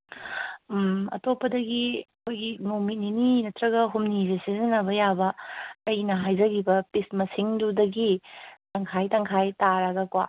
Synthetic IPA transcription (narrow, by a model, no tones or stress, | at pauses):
ɐ̰topːɐdɐɡiɐkʰojɡimowmit̚nininɐtɾɐɡɐɦumnizesizɐnɐbɐjabɐːjnɐɦajzɐɡibɐpismɐsiŋdudɐɡitɐŋkʰajtɐŋkʰajtaɾaɡɐkwa̰